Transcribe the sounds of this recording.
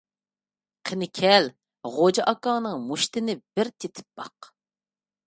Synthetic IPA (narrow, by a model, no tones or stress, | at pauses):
qʰenɪkʲʰɛl | ʁod͡ʒɑʔɑkɑnɨŋmuʃt̪ɪnɪb̥ɪɾt̪ʰet̪ʰɪ̥p̚b̥ɑ̰q